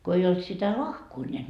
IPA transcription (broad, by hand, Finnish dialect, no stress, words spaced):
ko ei olt sitæ lɑhkoː nʲeæt